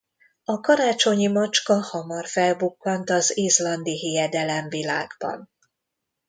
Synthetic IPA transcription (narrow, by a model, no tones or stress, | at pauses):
ɒkɒɾaːt͡ʃo̞ɲimɒt͡ʃkɒhɒmɒrfɛlbukːɒnt̪ɒzizlɒnd̪iɦijɛd̪ɛlɛɱvilaːɡbɒ̰n